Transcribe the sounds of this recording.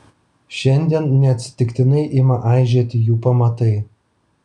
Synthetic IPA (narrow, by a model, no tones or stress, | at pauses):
ʃʲɛnʲd̪ʲennʲɛɐt̪ʲsʲɪ̥t̪ʲɪkt̪ʲɪnɐɪʔimɑʔɑjʒʲet̪ʲjuːpɑmɑt̪ɐɪ